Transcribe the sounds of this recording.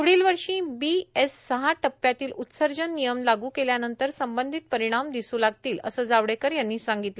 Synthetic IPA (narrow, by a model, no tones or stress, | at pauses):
uɽ̤iːlʋəɾʂĩːbiesːəɦaʈəpːjat̪iːlut̪səɾd͡ʑənːijəmlaɡuːkeljanənt̪əɾsəmbənd̪ʱit̪̚pəɾiɽ̃amd̪isuːlaɡ̚t̪iːlə̰səːd͡zaʋɽekəɾjanːiːsãŋɡit̪lə